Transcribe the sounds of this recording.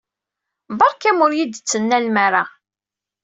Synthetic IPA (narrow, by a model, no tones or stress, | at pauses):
bɑɾˤkæmʊɾjid̪t͡sːənːælmaɾa